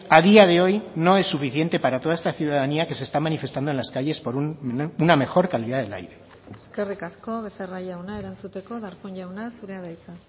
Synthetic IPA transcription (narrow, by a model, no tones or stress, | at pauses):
aðiað̞e̞o̞jno̞e̞sːufiθje̞nt̪e̞paɾat̪o̞ð̞aest̪aθjuðaðaniake̞se̞ːst̪amanifest̪and̪o̞nlaskaʝe̞spo̞ɾununame̞xo̞ɾkaliðaðe̞la̰jɾe | eske̞rikasko̞βe̞seraʎawnaeɾant͡sut̪e̞ko̞ðaɾpoɲʝawnasuɾeaðajka